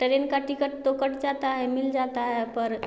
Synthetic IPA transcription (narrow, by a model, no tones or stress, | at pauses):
ʈəɾenkaʈikəʈ̚t̪okəʈd͡ʒat̪aɦɛmild͡ʒat̪aɦepəɾ